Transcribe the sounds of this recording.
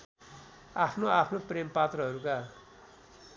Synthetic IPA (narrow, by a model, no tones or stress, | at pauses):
apʰnoapʰnoprempat̪rʌɦʌɾuka